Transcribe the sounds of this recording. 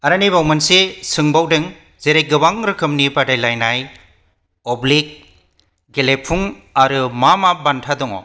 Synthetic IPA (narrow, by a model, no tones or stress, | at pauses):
aɾanibawmɐnsesɯŋbawdɯŋ | zeɾej̚ɡɯbaŋɾɯkʰɯmnibadajlajnaj | ɔblik̚ | ɡelepʰuŋaɾɯmamabantʰadɔŋɔ̰